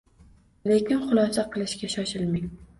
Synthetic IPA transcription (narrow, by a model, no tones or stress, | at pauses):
lekʲɪnχʊlˠɒsaqʰɨlˠɪʃkʲaʃɒʃɪlmɪŋ